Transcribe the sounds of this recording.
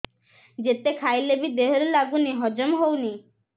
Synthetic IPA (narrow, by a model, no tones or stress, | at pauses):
d͡ʑet̪ekʰajlebid̪eɦoɾelaɡuniɦɔd͡ʑomɦowni